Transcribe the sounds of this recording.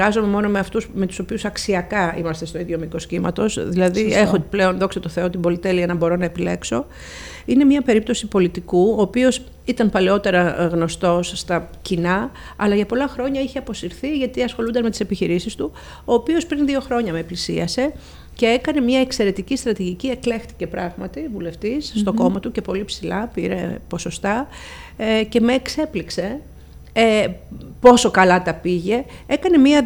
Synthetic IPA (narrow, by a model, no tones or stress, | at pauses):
ɣɐzo̞me̞mo̞no̞meɐft̪usme̞t̪u̥so̞piusɐksiɐkɐḭmɐst̪e̞st̪o̞iðʝo̞miko̞scimɐ̰t̪o̞sðilɐðiexople̞o̞nðo̞ksot̪oθe̞ot̪ibo̞lit̪eliɐnɐbo̞ɾo̞nɐepile̞kso̞ | ine̞mɲɐpe̞ɾip̚t̪o̞sipo̞lit̪ikuoːpio̞s | it̪ɐmpɐleo̞t̪e̞ɾɐɣno̞st̪o̞sːt̪ɐcinɐ | ɐlɐʝɐpo̞lɐxɾo̞ɲɐiçeɐpo̞siɾθiʝɐt̪iɐsxo̞lund̪ɐnme̞t̪i̥se̞piçiɾisist̪u | o̞ːpio̞spɾinðio̞xɾo̞ɲɐmeplisiɐse̞ | ce̞ekɐne̞mɲɐekse̞ɾe̞t̪icist̪ɾɐt̪iʝicie̞kle̞xt̪i̥ce̞pɾɐɣmɐt̪ivule̞ft̪isst̪o̞ko̞mɐt̪uce̞po̞lipsilɐpiɾe̞̰po̞so̞st̪ɐ | ce̞meːkse̞plikse̞ | po̞so̞kɐlɐt̪ɐpiʝe̞ekɐne̞miɐ